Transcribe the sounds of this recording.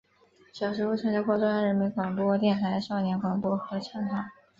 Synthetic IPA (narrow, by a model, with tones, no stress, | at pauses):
ɕjɑ˨˩ʊʂ̬ɻ̩˧˥u˥˩ʈ͡ʂʰɤ˧˥ŋt͡ɕɑ˥kʰwɔ˥˧˩ʈ͡ʂa˥ɻə˧˥nme˧˥ɪkwɑ˨˩ŋpwɔ˥˧t̪̬jɛ˥˩nt̪ʰa˧˥ɪʂɑ˥˩ʊnjɛ˧˥nkwɑ˨˩ŋpwɔ˥xɤ˧˥t͡ɕʰɑ˥ŋxʰa˧˥